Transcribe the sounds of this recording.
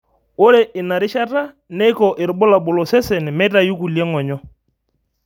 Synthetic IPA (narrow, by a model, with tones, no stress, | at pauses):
ʊ˦ɾe˨ʔɪ˨na˨ɾɪ˦ʃa˦ta˦ | nɛ˦kɔ˨ʔɪ˨ɾʊ˨ɓʊ˦la˨ɓʊ˨lɔ˨sɛ˦sɛ˨nɪ˨mɛ˦ta˨ju˦ku˨liɛ˦ŋɔ˨ɲɔ˦